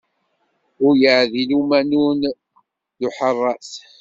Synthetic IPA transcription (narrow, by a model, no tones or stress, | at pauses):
ʊɾjəʕðilumænun | ðʊħərˤːɑθ